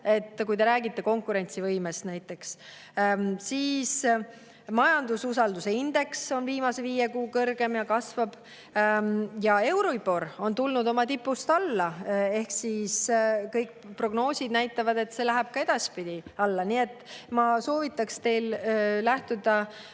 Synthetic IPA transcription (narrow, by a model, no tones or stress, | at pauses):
e̞t̪ːˑkujt̪e̞ɾæːɡit̪ːe̞ko̞ŋkːˑuɾe̞nʲt̪sivɤjmest̪næjt̪ːˑe̞ks | siːs | mɑjɑnd̪ususɑld̪use̞ind̪̥e̞kso̞nviːmɑse̞viːje̞kuːkɤrɡ̥e̞mjɑkɑsvɑb̥ | jɑe̞wɾoipo̞ro̞nt̪ulnud̪o̞mɑt̪ipːˑust̪ɑlːɑe̞hksiskɤjk | pro̞ɡno̞ːsʲid̪næjt̪ːˑɑvɑd̪e̞t̪se̞læɦæb̥̚kɑe̞d̪̥ɑspid̪̥iɑlːɑniːe̞t̪ːˑmɑso̞ːvit̪ˑːɑkst̪e̞jlːæht̪ud̪ɑ